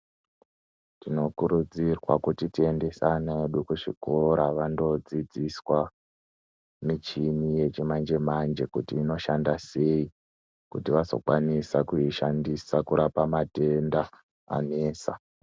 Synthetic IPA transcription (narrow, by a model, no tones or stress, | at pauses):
tino̞kuɾud͡zirwa̰kutitie̞nde̞sanaeeɗukuʂḭkoɾaʋando̞d͡zid͡ziswa | mit͡ʃinije̞t͡ʃemand͡ʒe̞mand͡ʒe̞kutiːno̞ʃandase̞i | kutiʋazo̞̰kwanisakuiʃandisakuɾapamate̞nda | a̰neːsa̰